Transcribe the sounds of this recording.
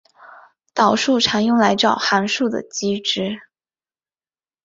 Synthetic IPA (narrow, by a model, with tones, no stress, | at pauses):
t̪ɑ˨˩ʊʂu˥˩ʈ͡ʂʰa˧˥njʊ˥ŋla˧˥ɪʈ͡ʂɑ˥˨˩ʊxa˧˥nʂu˥˩d̪ə̰˩t͡ɕi˥ʈ͡ʂɻ̩˥